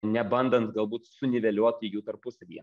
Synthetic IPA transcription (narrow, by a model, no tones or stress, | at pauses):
nʲɛbɐnd̪ɐnt̪ɡɐlˠbuːt̪sʊnʲɪʋʲɛlʲoɔt̪ʲɪjuːt̪ɐɾpʊsɐlʲiɛ